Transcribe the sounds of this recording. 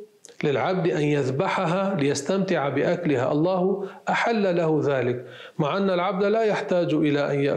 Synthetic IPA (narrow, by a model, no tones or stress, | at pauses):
lɪlʕab̚d̪ʔanjaðbaħaɦalɪjast̪amt̪ɪʕabɪʔaklɪha̰ʔɑlˤːɑːhʔaħalːalahʊðaːlɪk | maʕʔanːalʕab̚d̪alaːjaħt̪aːd͡ʒʔɪlaʔanjaʔ